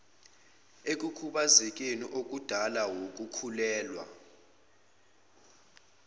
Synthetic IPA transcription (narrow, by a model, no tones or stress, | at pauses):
ek̬ʼukʰuɓazik̬ʼenḭʔok̬ʼud̥ʱalawok̬ʼukʰulɛːlwa̰